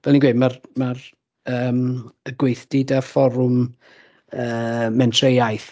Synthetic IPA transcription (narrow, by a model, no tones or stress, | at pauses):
vɛlˠinɡweːdmarmar | əːməɡwejθd̥ɪdafɔɾʊm | əːmɛntʰrejajθ